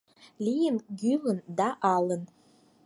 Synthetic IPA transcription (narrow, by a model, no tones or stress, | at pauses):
lʲijɪnɡʲylənd̪aʔalən